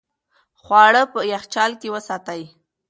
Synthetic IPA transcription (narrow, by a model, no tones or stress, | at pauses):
xwɑɽəpəjaxt͡ʃɑlkewəsɑt̪aj